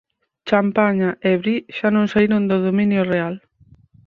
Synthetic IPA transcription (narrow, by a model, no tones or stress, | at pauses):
t͡ʃampaɲaʔeβɾiʃanõŋsaiɾond̪ʊðomĩnjoreal